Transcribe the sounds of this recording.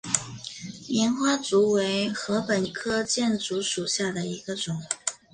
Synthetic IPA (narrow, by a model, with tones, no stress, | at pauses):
mɛ˧˥nxwa˥t͡su˧˥we˧˥ɪxɤ˧˥pə˨˩nkʰɤ˥t͡ɕjɛ˥˩nt͡su˧˥ʂu˨˩ɕja˥˩d̪ə˩i˧˥ɡə˧ʈ͡ʂʊ˨˩˦ŋ